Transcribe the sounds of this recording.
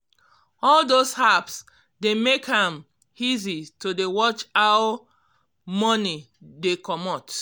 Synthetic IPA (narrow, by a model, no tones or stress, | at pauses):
ɔldoshaps | demekhãm | izitodewɔt͡ʃaw | mɔni | dekɔmɔt